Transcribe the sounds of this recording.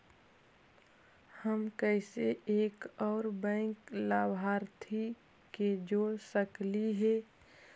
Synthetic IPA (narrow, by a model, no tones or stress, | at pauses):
həmkəɪseʔeːkɔːɾbɛ̃ːŋklaːbɦaːɾt̪ʰi | ked͡ʒoːɽsəkliɦɛː